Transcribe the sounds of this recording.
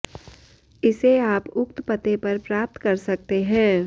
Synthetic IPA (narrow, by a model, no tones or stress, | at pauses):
ɪseaːpʊk̚t̪pɐt̪epɐɾpɾaːp̚t̪kɐɾsɐk̚t̪eɦɛ̃ː